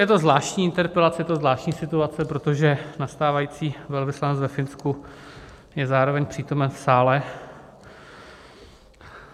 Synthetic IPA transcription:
jɛt̪o̞zvlaːʃcɲiːɪnt̪ɛɾpɛlat͡sɛjɛt̪o̞zvlaːʃtcɲiːsɪt̪uat͡sɛpɾot̪o̞ʒɛnast̪aːvajiːt͡siːvɛlvɪslanɛt͡svɛfɪnsku | jɛzaːɾo̞vɛɲpr̥iːt̪o̞mɛnfsaːlɛ

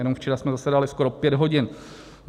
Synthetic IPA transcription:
ɛnomft͡ʃɛɾasmɛzasɛdalɪskoɾopjɛdɦo̞ɟɪn

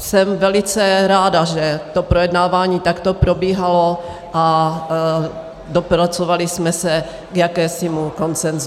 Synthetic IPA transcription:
sɛmvɛlɪt͡sɛɾaːdaʒɛt̪o̞pɾojɛdnaːvaːɲiːt̪akt̪o̞pɾo̞biːɦalo | ʔa | dopɾat͡sovalɪsmɛsɛ | ɡjakɛːsɪmuko̞nt͡sɛnzu

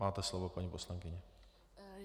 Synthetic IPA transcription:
maːt̪ɛslovopaɲiːposlaŋkɪɲɛ

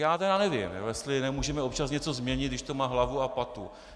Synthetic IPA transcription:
jaːt̪ɛɾanɛvɪ̰mjo̰jɛst̪lɪnɛmuːʒɛmɛopt͡ʃasɲɛt͡so̞zmɲɛɲɪt̪dɪʃt̪o̞maːɦlavuapat̪u

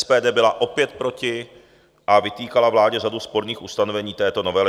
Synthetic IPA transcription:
spɛːdɛːbɪlaʔo̞pjɛt̪̚pɾo̞cɪ | ʔavɪt̪iːkalavlaːɟɛʒaduspo̞ɾɲiːxust̪anovɛɲiːt̪ɛːt̪o̞no̞vɛlɪ

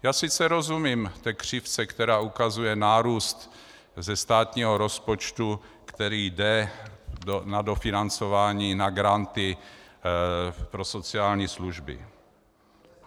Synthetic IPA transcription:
jaːsɪt͡sɛɾo̞zumiːmt̪ɛːkr̝̥ɪft͡sɛkt̪ɛɾaːukazujɛnaːɾuːst̪ | zɛst̪aːt̪ɲiːɦoɾo̞spot͡ʃt̪u | kt̪ɛɾiːdɛ | nado̞fɪnant͡so̞vaːɲiːnaɡɾant̪ɪ | pɾo̞so̞t͡sɪaːlɲiːsluʒbɪ̰

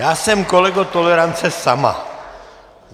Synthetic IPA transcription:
aːsɛmkolɛɡot̪olɛɾant͡sɛsama̰

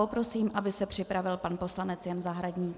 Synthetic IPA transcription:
opɾo̞siːmʔabɪsɛpr̝̥ɪpɾavɪlpanpo̞slanɛt͡sjɛnzaɦɾaɟɲiː

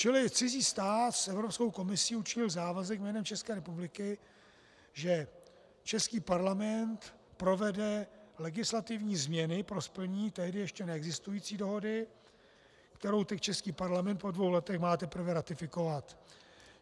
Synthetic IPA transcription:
t͡ʃɪlɪt͡sɪziːst̪aːt̪sʔɛvɾo̞psko̞wko̞mɪsiːut͡ʃɪɲɪlzaːvazɛkmɛːnɛmt͡ʃɛskɛːɾɛpublɪkɪ | ʒɛ | t͡ʃɛskiːpaɾlamɛnt̪ | pɾo̞vɛdɛlɛɡɪslat̪ɪvɲiːzmɲɛnɪpɾo̞spl̩ɲiːt̪ɛɦdɪjɛʃcɛnɛɛɡzɪst̪ujiːt͡siːdo̞ɦo̞dɪ | kt̪ɛɾo̞wt̪ɛct͡ʃɛskiːpaɾlamɛnt̪̚po̞dvo̞wlɛt̪ɛxmaːt̪ɛpɾ̩vɛɾat̪ɪfɪko̞vat̪

